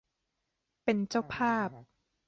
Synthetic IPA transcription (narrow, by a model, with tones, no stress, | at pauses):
pe˧nt͡ɕa˥˩wpʰaː˥˩p̚